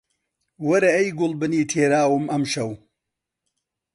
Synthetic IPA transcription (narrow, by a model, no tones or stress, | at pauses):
wɐɾɐɐjɡʊlbɨniːtʰeːɾaːwɨmɐmʃɐw